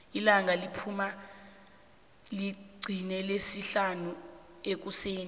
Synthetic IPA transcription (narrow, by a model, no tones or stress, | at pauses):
ilaŋʱalipʰuma | liɡ͡ǀʱinɛlesiɬanu | ek̬useːni